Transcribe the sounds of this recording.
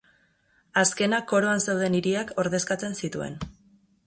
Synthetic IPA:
aske̞nako̞ɾo̞ansewð̞e̞niɾiako̞ɾðe̞skat͡se̞nsit̪ue̞̰n

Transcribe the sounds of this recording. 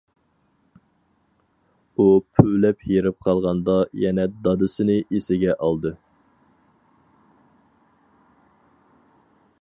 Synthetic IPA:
upʰylɛpʰjeɾɪp̚qʰɑlˠʁɑnd̪ɑjɛnɛd̪ɑd̪ɨsɨnɨʔesɪɡʲɛʔɑlˠd̪ɨ

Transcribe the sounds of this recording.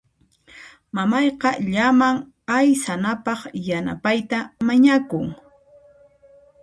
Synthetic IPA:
mamɑjqɑʎamaŋ | ajsanapɑχjana̰pajt̪amaɲakʊŋ

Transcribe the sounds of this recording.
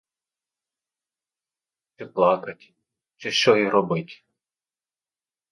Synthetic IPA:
t͡ʃɪplˠɑkɐtʲ | t͡ʃɪʃt͡ʃɔjiɾɔbɪtʲ

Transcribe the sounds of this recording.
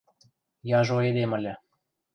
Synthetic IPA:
jɑʒoed̪emə̆lʲɘ̆

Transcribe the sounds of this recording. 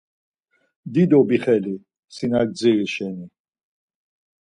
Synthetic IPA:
d̪id̪ɔbiχɛli | sinaɡ̚d͡ziɾiʃɛni

